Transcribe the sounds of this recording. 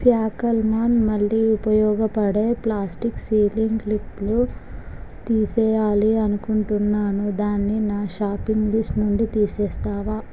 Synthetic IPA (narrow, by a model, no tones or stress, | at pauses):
pjaːkɐlmaːnmɐɭːiupɐjɔːɡɐpɐɽe̞ːplaːsʈiksiːliŋɡliklu | t̪iːsɛːjaːliɐnukuɳʈunːaːnud̪aːnːinaːʃaːpiŋɡlisʈnund̪ut̪iːsɛːst̪aːʋa